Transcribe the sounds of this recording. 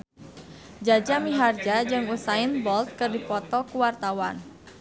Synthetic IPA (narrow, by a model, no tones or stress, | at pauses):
d͡ʒad͡ʒamiɦard͡ʒad͡ʒɨŋusaɪnbɔlt̪̚kɨrdipɔt̪ɔkuwart̪awan